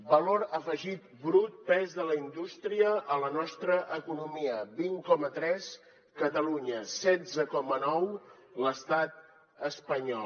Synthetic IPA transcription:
bəloɾəfəʒit̪̚bɾut̪̚pɛzðələind̪ust̪ɾiəʔələnɔst̪ɾəʔəkunumiəbiŋkɔmət̪ɾɛs | kət̪əluɲəsɛd͡zəkɔmənɔw | ləst̪at̪̚ | əspəɲɔl

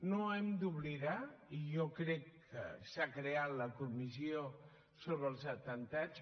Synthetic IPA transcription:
noɛmd̪uβliðaiʒɔkɾɛkː | ə̰sakɾeat̪ləkumizio | soβɾəlˠzət̪ənt̪at͡s

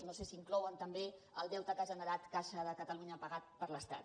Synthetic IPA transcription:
nosesiːŋklɔwənt̪əmbeəlˠd̪ɛwt̪əkaʒənəɾat̪kaʃəðəkət̪əluɲəpəɣat̪̚pəɾləst̪a̰t̪

